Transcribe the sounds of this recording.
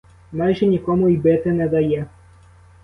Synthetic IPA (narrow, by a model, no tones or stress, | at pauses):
maʑɛɲʲɛkɔmuibɛt̪ɛnɛd̪ajɛ